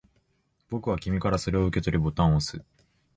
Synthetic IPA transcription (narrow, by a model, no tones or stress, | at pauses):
bo̞kɯ̟β̞akʲimʲikaɾaso̞ɾe̞oɯ̟ke̞t̪o̞ɾʲibo̞t̪ãɰ̃osɨ